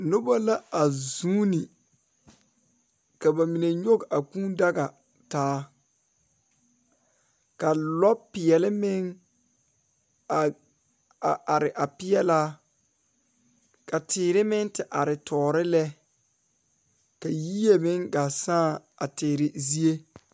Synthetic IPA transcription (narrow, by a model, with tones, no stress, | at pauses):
nʊ˦ba˦la˦a˨zuː˦ni˨ | ka˨ba˨mi˨ne˨ɲo˦ɡa˨kũː˦nda˦ɡa˨ | taː˨˦ | ka˨lɔ˦pɪ˨ɛ˨lɪ˦mɪ˦ŋ˨ | a˨ʔa˨ɾɪ˨ʔa˨pɪ˦jɛ˦laː˦ | ka˨tʰɪː˨ɾɪ˦mɪ˦ŋtɪ˨ʔa˨ɾɪ˨tʰɔː˨ɾɪ˦lɛ˦ | ka˨ji˦e˨mɪ˦ŋɡa˨sãː˦˨ | a˨tɪː˨ɾɪ˦zi˦e˦